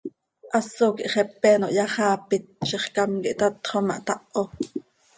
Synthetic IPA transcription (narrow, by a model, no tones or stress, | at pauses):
ʔɑsokiʔχɛpːɛːnoʔjɑχɑːpit̪̚ʃeχkɑmkḭʔt̪ɑt̪χomɑʔt̪ɑʔo